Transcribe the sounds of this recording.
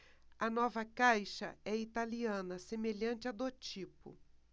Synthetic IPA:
ɐnɔvɐkajʃɐɛit̪aliɐ̃nɐsemeʎɐ̃nt͡ʃɪɐd̪ot͡ʃipʊ̰

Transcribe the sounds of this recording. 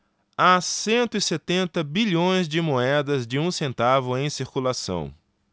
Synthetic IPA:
asẽnt̪ʊɪset̪ẽnt̪ɐbiʎõj̃zd͡ʒɪmoɛd̪ɐzd͡ʒɪũsẽnt̪avʊẽj̃siɾkulasɐ̰̃w̃

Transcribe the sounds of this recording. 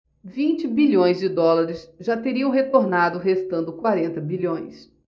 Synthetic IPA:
vĩnt͡ʃɪbiʎõj̃zd͡ʒɪd̪ɔlaɾɪsʒat̪eɾiɐ̃w̃ɦet̪oɾnad̪ʊɦest̪ɐ̃nd̪ʊkwaɾẽnt̪ɐbiʎõj̃s

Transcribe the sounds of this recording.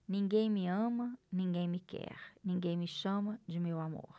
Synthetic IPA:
nĩŋɡẽj̃mĩɐ̃mɐnĩŋɡẽj̃mikʰɛ̰ɾnĩŋɡẽj̃miʃɐ̃mɐd͡ʒimewamo̰ɾ

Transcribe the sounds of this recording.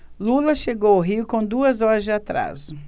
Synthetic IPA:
lulɐʃeɡowʊɦiʊkõd̪uɐzɔɾɐzd͡ʒɪat̪ɾa̰zʊ

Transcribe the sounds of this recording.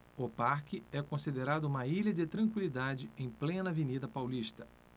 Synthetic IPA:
ʊpaɾkɪɛkõsid̪eɾad̪ʊũmɐiʎɐd͡ʒɪt̪ɾɐ̃kwilid̪ad͡ʒɪẽj̃plẽnɐvenid̪ɐpawliʃt̪ɐ̥

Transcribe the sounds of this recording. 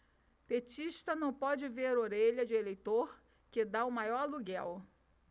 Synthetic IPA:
pet͡ʃiʃt̪ɐnɐ̃w̃pɔd͡ʒɪveɾoɾeʎɐd͡ʒɪelejt̪oɾ | kɪd̪aʊmajɔɾluɡɛw

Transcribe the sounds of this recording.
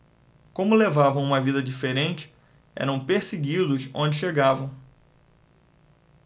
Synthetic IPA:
kõmʊlevavɐ̃w̃ũmɐvid̪ɐd͡ʒifeɾẽnt͡ʃɪ̥ | ɛ̰ɾɐ̃w̃peɾsiɡid̪ʊsõnd͡ʒɪʃeɡavɐ̃w̃

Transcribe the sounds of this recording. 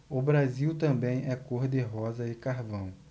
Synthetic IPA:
ʊbɾaziwt̪ɐ̃bẽj̃ɛkoɾd̪ɪɦɔzɐɪkaɾvɐ̃w̃

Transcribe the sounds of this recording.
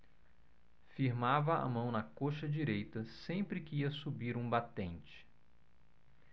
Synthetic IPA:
fiɾmavɐa̰mɐ̃w̃nɐkoʃɐd͡ʒiɾejt̪ɐsẽpɾɪkɪiɐsubiɾũbat̪ẽnt͡ʃɪ̥

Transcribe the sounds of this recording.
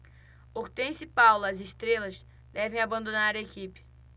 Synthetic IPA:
oɾt̪ẽsɪpawlɐzɪʃt̪ɾelɐz | d̪ɛvẽj̃abɐ̃nd̪onaɾɐekipɪ̥

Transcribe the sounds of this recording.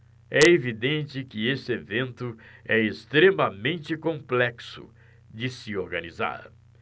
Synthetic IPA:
ɛevid̪ẽnt͡ʃɪkɪesɪevẽnt̪ʊɛest̪ɾemɐmẽnt͡ʃɪkõmplɛksʊ̰ | d͡ʒɪsɪoɾɡɐniza̰ɾ

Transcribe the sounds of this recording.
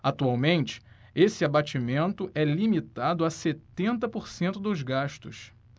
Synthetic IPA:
at̪uawmẽnt͡ʃɪ̥ | esɪabat͡ʃimẽnt̪ʊʔɛlimit̪ad̪ʊaset̪ẽnt̪ɐpoɾsẽnt̪ʊd̪ʊzɡaʃt̪ʊs

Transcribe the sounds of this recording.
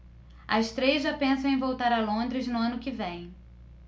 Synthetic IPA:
ɐʃt̪ɾeʒɐpẽsɐ̃w̃ẽj̃vowt̪aɾɐlõnd̪ɾɪznʊɐ̃nʊkɪvẽj̃

